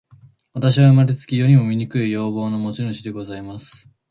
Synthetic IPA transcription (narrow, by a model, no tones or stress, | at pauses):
βat̪aɕ̬iβaɯmaɾʲet͡sɨ̥kʲijo̞ɲ̟imo̞mʲiɲ̟ikɯ̟ijo̞ːbo̞ːno̞mo̞t͡ɕinɯɕid̪e̞ɡo̞zaimasɨ̥